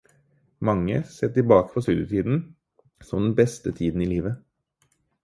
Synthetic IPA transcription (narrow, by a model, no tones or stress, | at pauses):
mɑŋːə̰seːt̪ɪlbɑːkə̥fʰɔst̪ʉːd̪jət̪ʰiːd̪n̩ | sɔmd̪ɛnbɛst̪ət̪ʰiːd̪n̩iːliːʋə